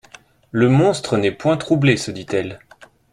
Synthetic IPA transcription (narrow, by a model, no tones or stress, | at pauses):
ləmɔ̃st̪χənɛpwɛ̃t̪χublesəd̪it̪ɛl